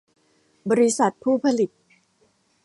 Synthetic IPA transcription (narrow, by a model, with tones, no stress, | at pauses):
bɔ˧ɾi˦˥sa˨˩t̪̚pʰuː˥˩pʰa˧li˨˩t̪̚